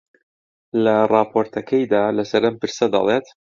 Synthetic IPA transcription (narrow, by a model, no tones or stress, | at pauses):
lɐrɑːpʰoːɾt̪ʰɐkʰɐjd̪aːlɐsɐɾʔɐmpɨɾsɐd̪ɐ̰lˠeːt̪